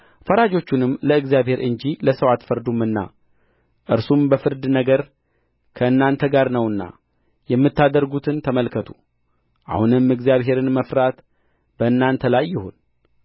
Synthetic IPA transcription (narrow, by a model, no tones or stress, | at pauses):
fəɾad͡ʒo̞t͡ʃːunɨmːləɨɡzjaβhe̞ɾʔɨɲd͡ʒiləsəwat̪fəɾd̪umɨnːa̰ | ʔɨɾsumbəfɨɾd̪nəɡəɾ | kʰəɨnːant̪ʰəɡaɾnəwɨnːa̰ | jɛmːɨt̪ːad̪əɾɡut̪ʰɨnt̪ʰəməlkʰət̪ʰu | ʔa̰hunɨmːɨɡzijaβɦe̞ɾɨnməfɾat̪ | bəɨnːant̪ʰəlajːɪho̰n